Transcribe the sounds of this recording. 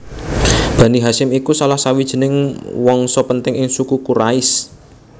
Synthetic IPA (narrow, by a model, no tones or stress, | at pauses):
b̥ä̤niɦaʃɪmikusalahsawid̥ʒ̥ə̤nɪŋwɔŋsɔpənt̪ɪŋɪŋsukukuɾaɪs